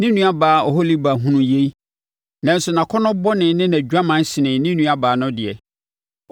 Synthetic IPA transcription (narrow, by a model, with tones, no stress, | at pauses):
nɪ̃˦nũ˦a˦baː˨˦ɔ˨ɦo˦li˦ba˨ɦũ˦nũ˨je˦i˦ | nã˨n̩˦sʊ˨nã˨kʰɔ˦nʊ̃˦bɔ˦nɪ̃˨˦nɪ̃˦nã˨d͡ʑᶣa˦mã˦n˦ɕɪ˨nɪ̃˨nɪ̃˦nũ˦a˦baː˨nʊ̃˦dɪ˨ɛ˨